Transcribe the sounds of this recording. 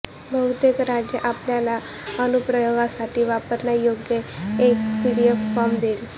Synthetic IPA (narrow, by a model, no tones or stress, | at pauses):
bʱəut̪ekɾad͡ʒjəʔapljala | ənupɾəjoɡasaʈ̪ʰiʋapəɾnajoɡjəekpiɽijofɔmd̪eɾi